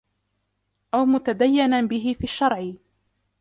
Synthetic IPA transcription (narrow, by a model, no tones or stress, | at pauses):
ʔawmʊt̪ad̪ajːɪnabɪɦɪfiːʃːɑɾˤʕɪ